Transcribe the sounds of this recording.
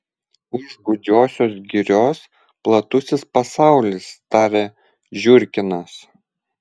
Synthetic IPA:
ʊʒɡʊd͡ʒʲoːsʲoːsɡʲɪɾʲoːs | plˠɐt̪ʊsʲɪspɐsɑˑʊlʲɪst̪ɑːɾʲe | ʒʲʊɾʲkʲɪnɐs

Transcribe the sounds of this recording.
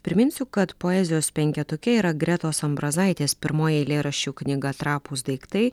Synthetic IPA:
pʲɾʲɪmʲɪnʲsʲʊkɐt̪poːɛzʲɪjoːspʲɛŋʲkʲɛt̪ʊkʲɛiːɾɐɡɾʲæt̪oːsɐmbɾɐzɐɪt̪ʲeːspʲɪɾmoːjɛlʲeːɾɐʃʲt͡ʃʲuːknʲɪɡɐt̪ɾɑːpuːsd̪ɐɪkt̪ɐɪ

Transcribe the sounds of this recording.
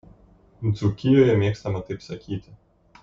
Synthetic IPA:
zukʲɪjoːjɛmʲeːkst̪ɐmɐt̪ɐɪpsɐkʲiːt̪ʲɪ

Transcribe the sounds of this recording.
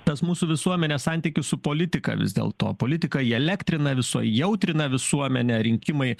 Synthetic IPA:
t̪ɐsmuːsuːʋʲɪsuɔmʲɛnʲeːsɑnʲt̪ʲikʲɪssʊpoːlʲɪt̪ʲɪkɐ̰ʋʲɪ̰zd̪ʲḛːlˠt̪o̰ːpoːlʲɪt̪ʲɪkɐiɛlʲæːkt̪ʲɾʲɪnɐʋʲɪso̰ːjjɛʊt̪ʲɾʲɪnɐʋʲɪsuɔmʲɛnʲɛɾʲɪŋʲkʲɪmɐɪ

